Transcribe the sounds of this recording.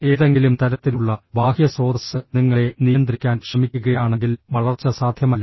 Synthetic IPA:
e̞ːðe̞ŋɡilumt̪ɐɾɐt̪ːiluɭːɐbʱaːhjɐso̞ːd̪ɐsɨniŋːɐɭe̞nijɐnd̪rikʲːaːnkʂɐmikʲːuɣɐjaːɳe̞ŋɡilʋɐɭɐrt͡ɕːɐsaːd̪ʱjɐmɐlː

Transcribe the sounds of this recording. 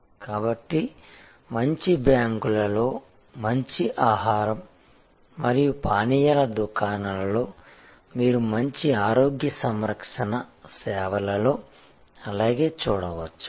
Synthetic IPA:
kaːbɐʈːi | mɐɲt͡ʃibjaːŋkulɐlo̞ː | mɐɲt͡ʃiʔaːɦaːɾɐmː | ɐɾijupaːnijɐlɐd̪ukaːnɐlɐlo̞ː | miːɾumɐɲt͡ʃiaːɾo̞ːɡjɐsɐmɾɐkʂɐnɐsɛːʋɐlɐlo̞ː | ɐlaːɡe̞ːt͡ʃuːɽɐʋɐt͡ʃːu̥

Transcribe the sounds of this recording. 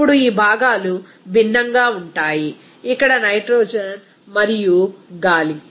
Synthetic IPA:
puɽuiːbʱaːɡaːlu | binːɐŋɡaːuɳʈaːji | ikːɐɽɐnɐjʈɾoːd͡ʒɐn | mɐɾijuɡaːli

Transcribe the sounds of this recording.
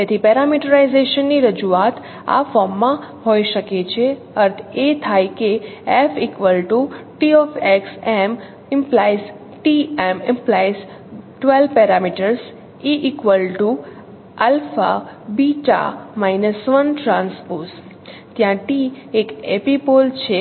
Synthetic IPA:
t̪et̪ʰipɛɾamiʈəɾaizeʃənːiɾəd͡ʒuat̪ | a̰fɔɾmːãɦoiʃəket͡ʃʰe | əɾt̪ʰet̪ʰajkeefikʋəlʈuʈiɔfeksem | ɪmplajs | ʈiemɪ̃mplajs | ʈʋelpɛɾamiʈəɾs | iʔikʋəlʈu | alfa̰biʈa̰mainəsʋənʈɾãnspos | t̪jãʈiekepipolt͡ʃʰe

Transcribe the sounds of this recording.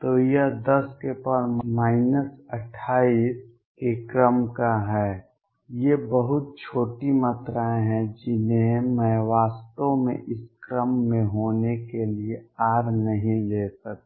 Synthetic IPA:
t̪ojɐd̪ɐskepəɾmaːɪnəsəʈʰːaːiːs | kekɾəmkaɦɛː | jebəɦʊt̪̚t͡ʃʰoːʈimət̪ɾaːẽɦɛ̃d͡ʒɪnẽməɦʋaːst̪omḛ̃ʔɪskɾəmːẽɦoːnekelieaːɾnəɦĩleːtək̚

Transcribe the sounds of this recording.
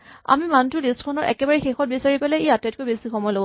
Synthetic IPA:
a̰mimantʊlistkʰɔnɔɹʔɛ̰kɛbaɹɛxexɔt̚bisaɹipalɛejatɛt̚kojbesixɔmɔjlobo

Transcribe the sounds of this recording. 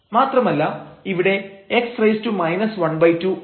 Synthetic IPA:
maːt̪rɐmɐlːɐiʋiɽe̞eksprɐjstumɐjnɐsʋɐɳbɐjtːu

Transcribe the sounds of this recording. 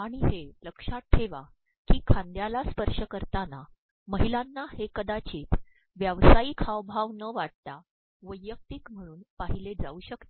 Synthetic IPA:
aɽ̃iɦeləkʂatʈʰːeʋa | kiːkʰãnd̪jalaspəɾʂəkəɾt̪ana | məɦilanːahekəd̪at͡ɕiːt̪ | ʋjaʋsaiːkʰaʋbʱaʋnəʋaɽ̚t̪a | ʋəjːək̚t̪iːkm̤əɽ̃uːnpaɦiled͡zauɕəkt̪e

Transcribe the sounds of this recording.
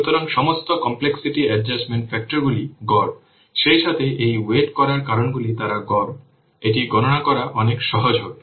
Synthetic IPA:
ut̪ɔɾaŋʃɔmost̪okɔmpleksiʈiɛɖd͡ʑasmeɳʈfɛk̚ʈoɾɡuliɡɔɾ | ʃejʃat̪ʰeʔejweʈkɔɾaɾkaɾonɡulit̪aɾaɡɔɾ | eʈiɡɔnonakɔɾaʔɔnekʃɔɦod͡ʑok

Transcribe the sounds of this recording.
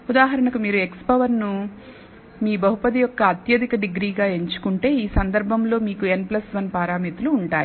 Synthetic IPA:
ud̪aːɦɐɾɐɳɐkumiːɾue̞kspɐʋɐɾnu | miːbɐɦupɐd̪ijɔkːɐːt̪jɐd̪ʱikɐɖiɡɾiːɡaːe̞ɲt͡ʃu̥kuɳʈe̞ːiːsɐnd̪ɐɾbʱɐmlo̞ːmiːkue̞nplɐsʋɐnpaːɾaːmit̪uluːɳʈaːji

